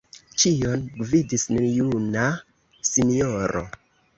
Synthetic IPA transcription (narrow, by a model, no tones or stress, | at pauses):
t͡ʃijo̞nɡvidisnenjuna | sinioɾʔo̰